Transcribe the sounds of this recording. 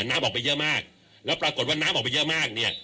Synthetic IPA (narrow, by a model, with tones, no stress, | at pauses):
naː˦˥mʔɔː˨˩kpa˧jɯ˦˥maː˥˩k̚ | lɛː˦˥wpɾaː˧ko˨˩t̪̚waː˥˩naː˦˥mʔɔː˨˩k̚pjɤ˦˥ʔmaː˥˩k̚ni˥˩ɐ